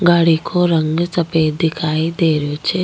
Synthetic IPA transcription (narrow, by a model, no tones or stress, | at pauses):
ɡaːɽikʰoɾɐŋɡsɐpeːd̪ɪkʰaːid̪eːɾəjot͡ʃʰe